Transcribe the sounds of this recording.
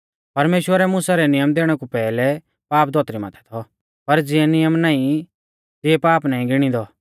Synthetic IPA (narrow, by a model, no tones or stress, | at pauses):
pɐɾmeːʃwəɾɛmʊ̃saɾɛnɪjəmd̪eːɽ̃ɛkupɛːlɛ | paːp̚d̪ɔːt̪ɾima̰t̪ʰɛ̥t̪ʰɔ | pɐɾd͡zɪɛnɪjəmnaːĩ | t̪ɪɛpaːpnaːĩɡɪɽ̃ĩd̪ɔ